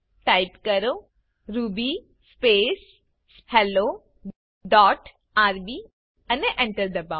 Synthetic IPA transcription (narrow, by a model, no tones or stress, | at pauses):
ʈaɪpkəɾo | ɾuːbi | speːs | hɛlo | ɖɔːʈ | aːɾbi | ɐneʔɛ̃ɳʈəɾd̪ɐbã